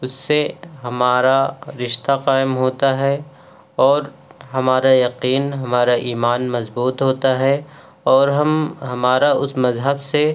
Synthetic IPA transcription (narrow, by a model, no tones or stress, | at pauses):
ʊsːeɦɐmaːɾaɾɪʃt̪aqaːɪmɦoːt̪aɦɛ | ɔːɾɦɐmaːɾajɐqiːnɦɐmaːɾaʔiːmaːnmɐzbuːt̪ɦoːt̪aɦɛ | ɔːɾɦɐmɦɐmaːɾaʊsmɐzɦəbse